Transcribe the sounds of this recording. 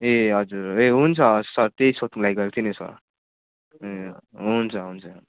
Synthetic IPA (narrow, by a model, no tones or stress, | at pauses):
eɦʌd͡zuɾeɦunt͡sʰʌsʌɾt̪eisot̪lajɡʌek̚t̪ʰinesʌ̰ɾ | eɦunt͡sʰʌɦunt͡sʰʌ